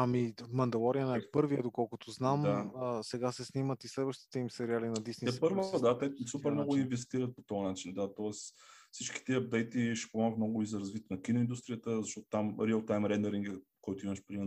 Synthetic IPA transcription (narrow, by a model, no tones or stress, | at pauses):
amimɐnd̪ɐlˠɔɾiənɛɛpɤɾviəd̪okɔlˠkʊt̪oznamaəsɛɡasɛsnimət̪islɛd̪vəʃt̪i̥t̪ɛimsɛɾialinɐd̪isniɛspəɾvod̪at̪ɛsupɛɾmnɔɡʊinvɛst̪iɾət̪̚po̥t̪ɔənat͡ʃind̪at̪ɔɛsfsit͡ʃki̥t̪iɐp̚d̪ɛjt̪iʃɛ̥pomɔɡət̪nɔɡʊizɐɾɐzvit̪nɐkinʊind̪ust̪ɾijət̪əzɐʃtɔt̪ʊ̥t̪amɾiəlˠt̪ajmɾɛnd̪ɛɾiŋɡəkɔjt̪ʊiməʃpɾimɛ